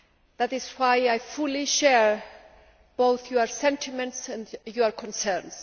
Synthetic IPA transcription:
ðætɪzwajajfuliʃɛɹ | b̥oθjuaɹsɛ̃ntʰimɛ̃ntsɛ̃ndjuaɹkʰɔ̃nsɛɹns

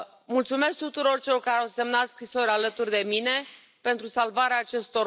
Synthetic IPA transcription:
mult̪sume̞sk̚t̪ut̪uɾo̞rt͡ʃelorkaɾeawse̞mnat̪skɾiso̞ɾʲalət̪urʲd̪e̞mine̞ | pe̞nt̪ɾusalvaɾeaːt͡ʃe̞st̪o̞

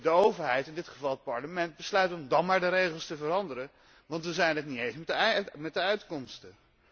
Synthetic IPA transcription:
dəowvəɹɦɛjtɪndɪtχəvɑlˠət̚pɑɹləmɛnd̚bəslœɥtɔmdɑnmaːɹdəɾejχəlˠstəvərɑndəɾən | ʋɑntʋəzɛjnɦətniejnsmɛmɛt̚dəœɥtkɔmstə

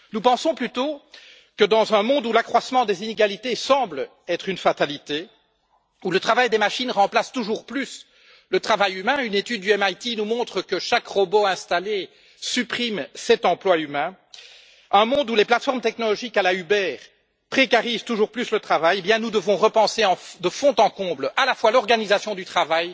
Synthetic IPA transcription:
nupɑ̃sɔ̃plyt̪o | kəd̪ɑ̃zœ̃mɔ̃d̪ulakχwasmɑ̃d̪ezineɡalit̪esɑ̃bl | ɛt̪χynfat̪alit̪e | ulət̪χavajd̪emaʃinʁɑ̃plast̪uʒuːʁplys | lət̪χavajymɛ̃ynet̪yd̪̚ːyɛmajt̪inumɔ̃t̪χəkəʃakʁɔboɛ̃st̪ale | sypχimsɛt̪ɑ̃plwaymɛ̃ | œ̃mɔ̃d̪uleplat̪fɔʁmt̪ɛknɔlɔʒikalaybɛːʁ | pχekaʁizt̪uʒuːʁplyslət̪χavajebjɛ̃nud̪əvɔ̃ʁəpɑ̃seɑ̃fd̪əfɔ̃t̪ɑ̃kɔ̃blalafwalɔʁɡanizasjɔ̃d̪yt̪χavaj

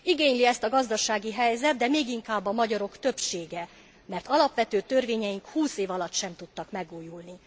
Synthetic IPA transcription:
iɡeːɲliɛst̪ɒɡɒzd̪ɒʃaːɡiɦɛjzɛt̪̚d̪ɛmeːɡiŋkaːbːɒmɒɟɒɾo̞kt̪ø̞pʃeːɡɛ | mɛrt̪ɒlɒpʋɛt̪øːt̪ø̞rveːɲɛjiŋkhuːseːvɒlɒt̪ʃɛmt̪ut̪ːɒkmɛɡuːjulni

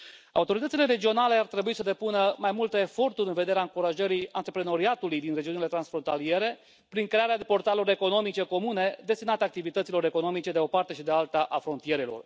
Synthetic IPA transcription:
a̰ut̪o̞ɾit̪ət̪sile̞ɾe̞d͡ʒio̞nale̞art̪ɾe̞buisəd̪e̞punəmajmult̪əefo̞rt̪uɾʲɨnve̞d̪e̞ɾeaɨŋkuɾaʒəɾijant̪ɾepɾeno̞ɾiat̪ulujd̪inre̞d͡ʒiunile̞t̪ɾansfɾo̞nt̪alie̞ɾe̞ | pɾiŋkɾe̞aɾead̪epo̞rt̪aloɾe̞ko̞no̞mit͡ʃe̞ko̞mune̞d̪e̞st̪inat̪eak̚t̪ivit̪ət̪silo̞ɾe̞ko̞no̞mit͡ʃe̞d̪eo̞part̪e̞ʃid̪ealt̪aʔafɾo̞nt̪ie̞ɾelo̞̰r

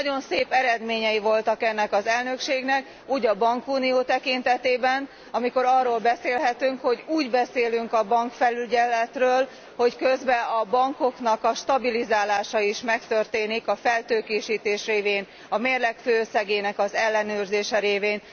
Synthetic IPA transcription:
nɒɟo̞nseːpɛɾɛd̪meːɲɛjivo̞lt̪ɒkɛnːɛkɒzɛlnøkʃeːɡnɛk | uːɟɒbɒŋkuːnioːt̪ɛkint̪ɛt̪eːbɛn | ɒmiko̞ɾɒrːoːlbɛseːlɦɛt̪yŋkho̞ɟuːɟbɛseːlyŋkɒbɒŋkfɛlyɟɛlːɛt̪røːl | ho̞ckø̞zbɛɒbɒŋko̞knɒkɒʃt̪ɒbilizaːlaːʃɒiʃmɛkt̪ørt̪eːnikɒfɛlt̪øːkeːʃiːt̪eːʃreːveːn | ɒmeːrlɛkføːøsɛɡeːnɛkɒzɛlːɛnøːrzeːʃɛɾeːveːn

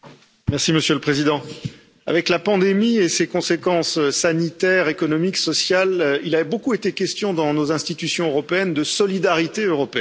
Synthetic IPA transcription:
mɛʁsiməsjøləpχezid̪ɑ̃ | a̰vɛklapɑ̃d̪emiesekɔ̃sekɑ̃søsanit̪ɛʁekɔnɔmiksɔsjalilavɛbokuet̪ekʲɛst̪jɔ̃d̪ɑ̃nozɛ̃st̪it̪ysjɔ̃øʁɔpeɛnd̪əsɔlid̪aʁit̪eøʁɔpeɛ

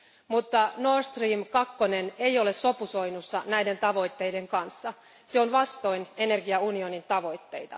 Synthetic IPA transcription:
mut̪ːɑnorst̪riːmkɑkːonene̞jo̞le̞sːo̞puso̞jnusːɑnæjde̞nt̪ɑʋo̞jt̪ːe̞jde̞ŋkɑnsːɑ | seo̞nʋɑst̪o̞jne̞ne̞rɡiɑunio̞nint̪ɑʋo̞jt̪ːe̞jt̪ɑ̰

